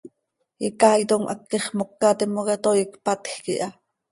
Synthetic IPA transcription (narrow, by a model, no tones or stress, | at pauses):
jikɑjt̪omʔɑ̰kːiχmokːɑt̪imoket̪ojikpɑt̪xkḭʔɑ